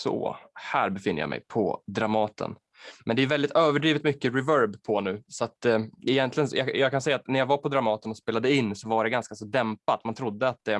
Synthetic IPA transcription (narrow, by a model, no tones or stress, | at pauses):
sɔ̰hæːɾbɛfɪnːə̰ɾja̰mɛ̰jpʰɔ̰d̪ɾamɑːt̪ʰə̰n | mɛnd̪ɛæːʉvɛld̪ɪt̪øːvəɖɾiːvɪt̪mʏkːəɾɛvœɾbpʰɔnʉ̟ːsɔat̪ɪjɛnt̪lɪɡənjɑ̰jɑkʰansɛjːat̪næɾjavaɾpʰɔd̪ɾamɑːt̪ənɔspeːlad̪əɪnːsɔvaɖɛɡanskasɔd̪ɛmpat̪mant̪ʰɾʊd̪ːəat̪̚d̪ɛ